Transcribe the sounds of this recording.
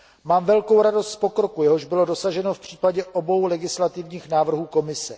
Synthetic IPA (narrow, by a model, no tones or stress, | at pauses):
maːmvɛlko̞wɾado̞st̪spo̞kɾo̞kujɛɦo̞ʒbɪlo̞do̞saʒɛno̞fpr̝̥iːpaɟɛʔobo̞wlɛɡɪslat̪ɪvɲiːxnaːvr̩ɦuːko̞mɪsɛ